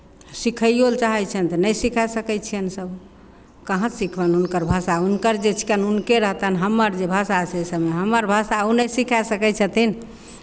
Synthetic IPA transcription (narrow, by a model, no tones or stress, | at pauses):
sikʰəjjolt͡ʃaɦɛt͡ʃʰɛnt̪ənəjsikʰɛsəkɛt͡ʃʰiənsəb | kəɦə̃sikʰbənunkəɾbʱəsaunkəɾd͡ʒet͡ʃʰi̥kənunkeɾəɦt̪ənɦəmːəɾd͡ʒebʱəsasʰesəbmeɦəmːəɾbʱəsaunəjsikʰɛsəkɛt͡ʃʰət̪in